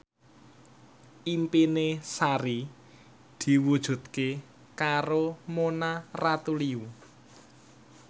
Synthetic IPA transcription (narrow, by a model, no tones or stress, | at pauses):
ʔimpinesaɾi | d̪̥i̤wud̥ʒ̥ṳt̪̚ke | kaɾomonarat̪uliu